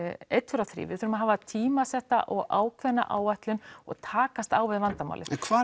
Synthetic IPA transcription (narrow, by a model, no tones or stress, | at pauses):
ejt̪fʏɾaθɾḭːvɪθʏɾʏmaɦaːvat̪ʰiːmasɛht̪a̰ʔɔɣaːwkʰvɛnːa̰ʔaːwaht̪lʏnɔɣt̪ʰaːkast̪aːwvɪðvant̪ama̰wlɪɛkʰvaː